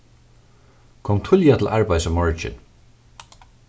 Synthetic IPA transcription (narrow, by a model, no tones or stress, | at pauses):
kʰɔmt̪ʰʊljat̪ʰɪlʔaɹpajsamɔɹt͡ʃɪ̰n